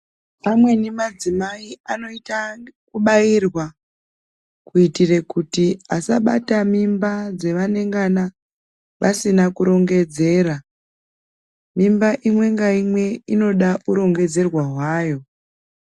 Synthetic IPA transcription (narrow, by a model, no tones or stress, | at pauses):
pamwe̞nimad͡zimaiano̞itakuɓairwa | kuitire̞kutiasaɓa̰tamimbad͡ze̞ʋane̞ŋɡana | ʋʔasinakuɾo̞ŋɡe̞d͡ze̞ːɾa | mimbaʔimwe̞ŋɡaimwe̞ino̞ɗaʔuɾo̞ŋɡe̞d͡ze̞rwaɦwaːjo̞